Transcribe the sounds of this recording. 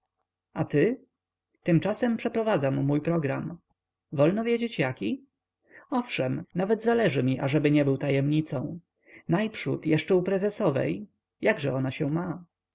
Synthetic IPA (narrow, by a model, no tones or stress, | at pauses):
at̪ɘ | t̪ɘmt͡ʂasɛmpʂɛpɾɔvad̪zamːujpɾɔɡɾam | vɔlnɔvʲjɛd͡ʑet͡ɕjakʲi | ɔfʂɛmnavɛd̪zalɛʐɘmʲiʔaʐɛbɘɲɛbɘwt̪ajɛmɲit̪sɔ̃w̃ | najpʂṵt̪jɛʂt͡ʂɛupɾɛzɛsɔvɛ̰j | jaɡʐɛɔnaɕɛma